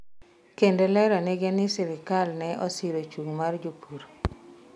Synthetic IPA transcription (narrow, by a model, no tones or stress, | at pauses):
kendelɛɾaneɡɛnɪsɪɾɪkalnɛʔɔsiɾot͡ʃuŋmard͡ʒopʰuɾ